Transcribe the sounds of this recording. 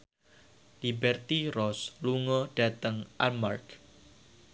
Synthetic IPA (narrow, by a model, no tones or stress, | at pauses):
libɛrt̪irɔsluŋɔɖ̥at̪əŋʔa̰mark